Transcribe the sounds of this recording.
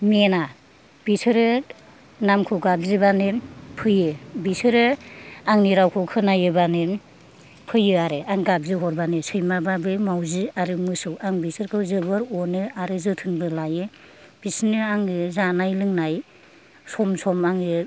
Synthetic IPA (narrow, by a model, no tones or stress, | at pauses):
mena | b̥isɯɾɯ | namkʰɯɡabzɯbanɯpʰɯjɯbisɯɾɯaŋniɾawkʰɔkʰɯnajɯbanɯ | pʰɯjɯaɾɯaŋɡab̚ziɦɔɾbanɯsɯjmababɯmawziaɾɯmɯsɯwaŋbisɯɾkʰɯwzɯbɯɾɔnɯaɾɯzɯtʰɯnbɯlajɯ | b̥isnɯaŋɯzanajlɯŋnaj | sɔmsɔmaŋɯ